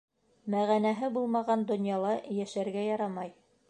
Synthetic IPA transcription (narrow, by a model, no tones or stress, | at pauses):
mæʁænæɦɘbulˠmɑʁɑnd̪ŏnjɑlˠɑjæʃæɾɡæjɑɾɑmɑj